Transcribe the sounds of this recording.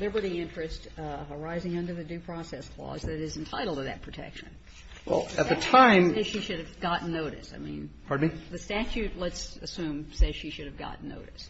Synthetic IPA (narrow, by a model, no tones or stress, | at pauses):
ðə˞bʌɾiɪ̃nt͡ʃɹ̥ɨstə˞aɪzɪ̃ŋʌ̃ndə˞ðɨdʉpʰɹ̥ɔsɛskʰl̥ɔ̰zðɨɾɨz̃n̩tʰaɪɾl̩ˠtʰɨðɨ̰t̚pʰɹ̥ɨtʰɛ̰kʃɨ̰̃n | wɛ̰lˠɨt̪̚ðɨtʰãɪ̃meʃiʃʊɾɨvɡɑʔn̩noʊɾɨ̰saɪmḭ̃nʰ | ɑɹd̚miðɨstæt͡ʃʉtˡlətsɨsʉ̃msɛ̥ʃiʃʊɾɨvɡɑ̰ʔn̩no̰ʊɾɨs